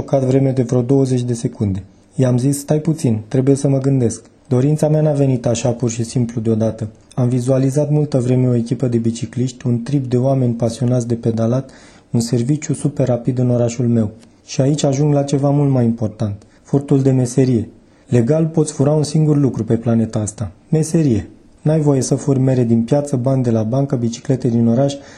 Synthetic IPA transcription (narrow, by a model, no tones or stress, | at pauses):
okat̪vɾe̞med̪e̞vɾeod̪o̞wəze̞t͡ʃʲd̪e̞se̞kund̪e̞ | jamzisːt̪ajput̪sint̪ɾe̞buje̞səməɡɨnd̪e̞sk | d̪o̞ɾint̪sameanave̞nit̪aʃapurʃisimplud̪eo̞d̪at̪ə | amvizualizat̪mult̪əvɾe̞me̞o̞e̞kʲipəd̪e̞bit͡ʃikliʃt̪ʲunt̪ɾip̚d̪e̞oame̞nʲpasio̞nat̪sd̪e̞pe̞d̪alat̪ | unse̞rvit͡ʃjusupe̞rapid̪ɨno̞ɾaʃulme̞w | ʃiait͡ʃʲaʒuŋɡlat͡ʃe̞vamult̪majimpo̞rt̪ant̪ | furt̪uld̪e̞me̞se̞ɾije̞ | le̞ɡalpo̞t̪sʲfuɾaunsiŋɡurlukɾupe̞plane̞t̪aast̪a | me̞se̞ɾije̞ | najvo̞je̞səfurme̞ɾe̞d̪inpjat̪səbanʲd̪e̞labaŋkəbit͡ʃi̥kle̞t̪ed̪ino̞ɾaʃʲ